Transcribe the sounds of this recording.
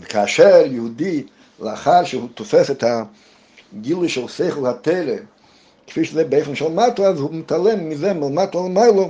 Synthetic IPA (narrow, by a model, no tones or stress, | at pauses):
vekʰaːʃɛɾjəhud̪i | ləaχaɾʃəhut̪ɔfɛsɛt̪ha | ɡilˠujʃɛlˠseɪχəlˠhat̪eɪɾe | kɪ̥fiʃəzɛbɛfənʃɛlˠmatlazhumɪtalˠɛmːizɛmɪlmat̪lalˠəmaɪlˠo